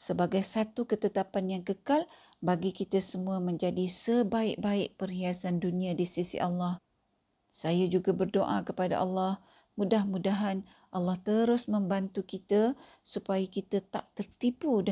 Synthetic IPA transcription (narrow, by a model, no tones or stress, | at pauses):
səbaɡajsat̪ukət̪ət̪apanjaŋkəkal | baɡikit̪asəmũamə̃ɲd͡ʒadisəbaɪʔ̚baɪʔ̚pəriasandunĩãdisisḭʔalːɑh | sajad͡ʒuɡabərdoʔakəpada̰ʔalːɑh | mudahmudaɦan | ʔalːɑht̪əɾʊsmə̃mbant̪ukit̪a | supajakit̪at̪a̰ʔt̪ərt̪ipud